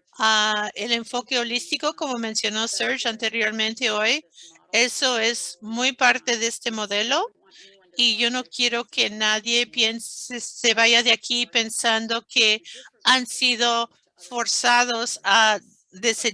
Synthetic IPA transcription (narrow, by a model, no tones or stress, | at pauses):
aele̞ɱfo̞ke̞olist̪iko̞ko̞mo̞mẽnsjo̞no̞seɾt͡ʃant̪e̞ɾjo̞ɾmẽnt̪e̞o̞j | eso̞e̞zmujpaɾt̪e̞ðeest̪e̞mo̞ðe̞lo̞ | iʝo̞no̞kje̞ɾo̞ke̞naðje̞pjensese̞βaʝaðeakipe̞nsand̪o̞keansið̞o̞ | fo̞ɾsað̞o̞sa | ðe̞se